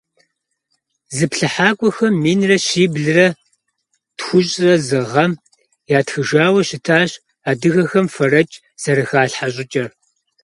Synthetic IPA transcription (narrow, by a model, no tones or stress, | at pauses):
zɨpɬɨħaːkʷʼɔxɐmːiːnrɐɕiːbɮɨrɐ | txʷʊɕʼrɐzɨʁɐm | jaːtxɨʒaːwɐɕɪtʰaːɕʼ | aːdɨɣɐxɐmfɐrɐt͡ʃʼ | sɐɾɨxaːɬħaɕʼɪt͡ʃʼɐr